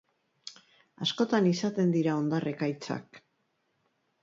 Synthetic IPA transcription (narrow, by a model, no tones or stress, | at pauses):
asko̞t̪anisat̪e̞nd̪iɾao̞nd̪arʔe̞kajt͡sa̰k